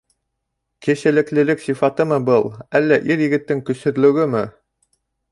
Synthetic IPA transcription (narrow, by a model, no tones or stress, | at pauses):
kɘ̆ʃæ̆lɘ̆klɘ̆lɘksifɑt̪ɤmɤbɤlˠælːæʔiɾjɘ̆ɡɘ̆t̪ːɘŋkɵ̆sɵ̆ɾlɵ̆ɡɘmɘ